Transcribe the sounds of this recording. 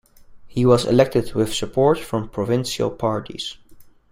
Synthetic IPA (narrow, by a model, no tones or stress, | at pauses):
hiwʌzɨ̰lɛk̚tɨd̚wɪð̥səpʰɔɹtfɹʌ̃mpʰɹ̥ɔvɪ̃nʃə̰lˠpʰɑɹɾḭz̥